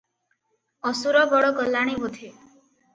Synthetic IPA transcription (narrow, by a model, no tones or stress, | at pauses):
ɔsuɾɔbɔɽɔɡɔlːaɽ̃ibud̪ʱi